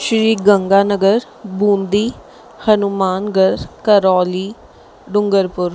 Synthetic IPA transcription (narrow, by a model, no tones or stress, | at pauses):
ʃɾiːɡəŋɡaːnəɡəɾ | bũːnd̪iː | hənumaːnɡəɾkəɾɔːliː | ɖʊŋɡəɾpʊɾ